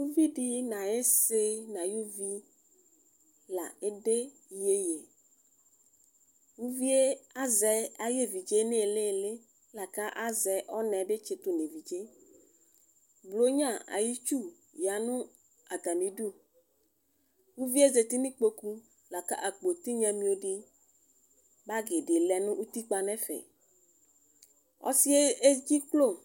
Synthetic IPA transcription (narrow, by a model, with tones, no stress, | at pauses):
ju˦vi˦ɖi˦nã˨e˦se˦nã˨ju˦vi˦ | la̰˨e˦ɖe˦ | je˦je˨ | wu˦vi˦e˦a˦zɛ˨a˦je˦vi˨d͡ʒe˦ne˦˨le˦˨le˦ | la˨ka˦ʔa˦zɛ˨ʔɔ˦nɛ̃˨be˦t͡ʃe˨t̪u˨ne˨vi˨d͡ʒe˦ | blo˦ɲã˦˨a̰˨ji˦t͡ʃu˦˨ | ja˨nʊ̃˦ | a˨t̪a˨mĩ˨du˦˨ | wu˦vi˦e˦ze˨t̪i˦nĩ˦k͡po˦ku˦ | la˨ka̰˦ʔa˨k͡po˨t̪i˦ɲɛ̃˨mĩ˦o˨ɖi˦ | ba˦ɡe˨ɖe˨lɛ˨nʊ̃˦ʔu˦t̪i˦k͡pa˨nɛ̃˦fɛ̰˨ | ɔ̰˦si˦e˦e˦d͡ʑi˦klo˦˨